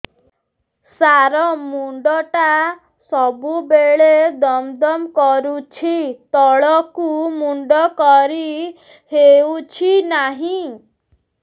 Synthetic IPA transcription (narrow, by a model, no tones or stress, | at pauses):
saɾɔmuɳɖɔʈa | sɔbubeɭed̪ɔmd̪ɔmkɔɾut͡ʃʰit̪ɔɭɔkumuɳɖɔkɔɾi | heut͡ʃʰinaɦĩ